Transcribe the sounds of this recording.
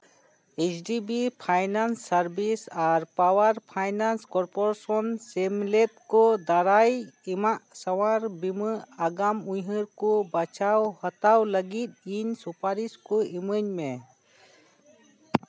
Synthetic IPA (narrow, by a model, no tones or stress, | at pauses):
et͡ʃʰɖibipʰajnansːaɾbisaɾpawaɾpʰajnanskɔɾpɔɾasɔnsɛmlet̪̚kɔd̪aɾajimaʔsawaɾbimɨaɡamujɦəɾkɔbat͡ʃawhət̪awləɡit̪̚iɲsupaɾiskɔiməɲmɛ